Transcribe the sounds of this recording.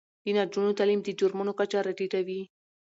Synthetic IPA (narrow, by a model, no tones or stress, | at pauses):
d̪̥inad͡ʒunot̪alimd̪əd͡ʒʊɾmunokat͡ʃaɾaʈit̪awi